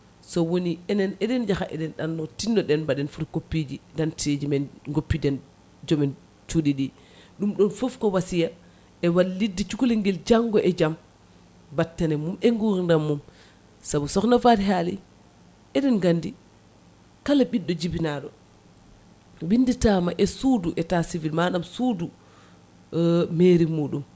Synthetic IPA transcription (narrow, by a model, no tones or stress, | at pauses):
sɔwoniɛnɛnɛɗɛnd͡ʒaxaʔɛ̰ɗɛnɗanːɔtinːɔɗɛnbaɗɛnfuɾkopːid͡ʒidantʰed͡ʒimɛnɡopːidɛn | d͡ʒɔmɛn | t͡ʃuɗiɗi | ɗumɗɔnfofkɔwasija | ɛwalːidːit͡ʃukuliŋɡɛld͡ʒaŋɡɔʔɛd͡ʒam | batːanɛmumɛŋɡuɾindamːum | sabusɔknafadiɦaːli | ʔɛɗɛnɡandi | kalaɓiɗːɔd͡ʒibinaɗɔ | winditaːmaʔɛsuːduʔɛtasivilmaɗamsudu | meːɾimuːɗum